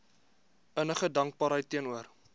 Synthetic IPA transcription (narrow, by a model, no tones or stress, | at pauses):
ənəχədɐŋk̚bɑːɾɦəjtːiənuər